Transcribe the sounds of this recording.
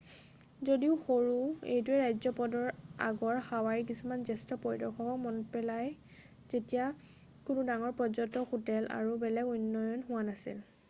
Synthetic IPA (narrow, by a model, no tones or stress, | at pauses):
zodiʊxoɹuḛjtʊɛɹajzɔpɔdɔɹa̰ɡɔɹxawaɹik̬isumanzɛstɔpɔjdɔxʰɔkɔmɔnpɛlaj | zetija | kʊnudaŋɔɹpɔzɔntɔxutɛlʔa̰ɹubɛlɛɡunːɔjɔnɦʊwanasḭl